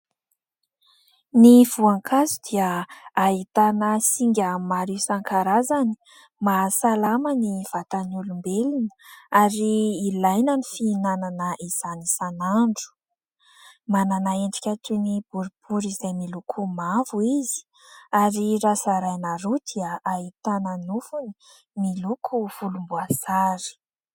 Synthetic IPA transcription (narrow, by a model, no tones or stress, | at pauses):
niv̥uaŋkʰazud̪̥iaait̪anəsiŋɡʲamaɾiwsaŋkaɾazani̥ | masalamaniv̥at̪anulumbelinə̥aɾiːlajnənifiːnananəʔiz̥anisanaɳɖ͡ʐu̥ | mananaeɳɖ͡ʐi̥kʲaʈ͡ʂunib̥uɾib̥uɾizajmilukʰumavuizi̥ | aɾiɾasaɾajnaɾud̪̥iaʔait̪ananufuni̥ | milukʰuv̥ulumbuasaɾi̥